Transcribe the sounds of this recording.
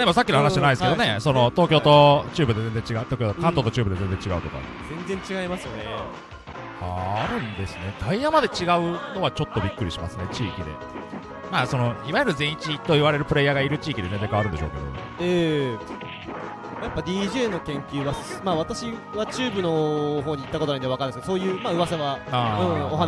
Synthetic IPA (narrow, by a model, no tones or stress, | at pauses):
d̪emos̬akʲːinhanaɕianaid̪skeone̞so̞no̞t̪o̞ːkʲo̞ːt̪o̞t͡ɕɨːbɯ̟d̪e̞ze̞nzd͡zẽ̞ɲt͡ɕiɡaɯ̟t̪oːkʲoːd̪ekãnt̪o̞t̪o̞t͡ɕɨːbɯd̪e̞ze̞nzẽ̞ɲt͡ɕiɡaɯ̟t̪oka̰ | zẽ̞nzẽ̞ɲt͡ɕiɡaimasɨjo̞ne̞ | aɾɯ̟̃nd̪e̞sɨne̞t̪ʰaijamad̪e̞t͡ɕiɡaɯ̟no̞βat͡ɕo̞t̪ːo̞bʲikːɯ̟ɾʲiɕimasɨne̞t͡ɕiːkʲid̪e̞̰ | maːso̞no̞iβajoɾɯ̟zẽ̞ɰ̃it͡ɕit̪o̞iβaɾe̞ɾɯ̟pɯ̟ɾe̞jaɡaiɾɯ̟t͡ɕiːkʲid̪e̞ne̞nd̪ekaβaɾɯ̟nd̪eɕo̞̰ːke̞d̪o̰eː | majapːad̪ʲiːʑe̞ːno̞kẽ̞ŋkʲɨːβasmaːβat̪aɕiβat͡ɕɨːbɯ̟no̞ɦo̞ːɲ̟it̪ːakot̪oaĩɲβakanaskeosoːjɯːmaːɯ̟βasaβaaɯ̃ːoɦa